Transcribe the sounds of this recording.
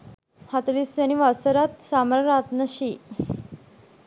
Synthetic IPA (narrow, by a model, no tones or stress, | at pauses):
hat̪ɾisʋəñiʋasəɾat̪samɾaɾat̪nəɕi